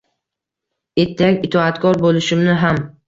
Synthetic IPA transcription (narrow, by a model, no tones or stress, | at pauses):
et̪ʰːajakʲɪt̪ʰɒat̪kʰɒɾbolɪʃɪmnɪɦam